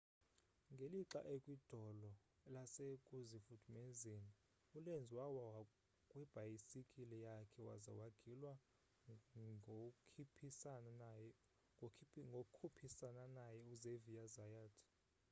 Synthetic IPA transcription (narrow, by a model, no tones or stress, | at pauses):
ŋɡʱeliǁa̰ʔekʼwid̥ʱɔlɔ | lasekʼuzifudʰʱʼumɛzeni | ulend͡zʱwawaa | kʼwɛb̥ʱajisikʼilɛjakʰɛwa̰za̰waɡ̥ʱilwa | kʰipʰis | ŋɡʱokkʰupʰisananajɛuzevijazajaːtʰ